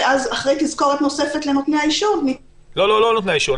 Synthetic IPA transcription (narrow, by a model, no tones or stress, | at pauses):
ʔazaχʁejtizko̞ʁet̪no̞se̞fet̪lenotneaiʃuvmi | lololonot̪neaiʃuv